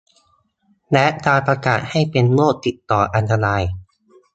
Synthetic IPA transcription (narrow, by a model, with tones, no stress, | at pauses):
lɛ˦˥ʔkaː˧npɾa˧kaː˨˩t̪̚ha˥˩jpe˧nmoː˥˩k̚t̪i˨˩t̪ːɔː˨˩ʔa˧nt̪a˧ɾaː˧j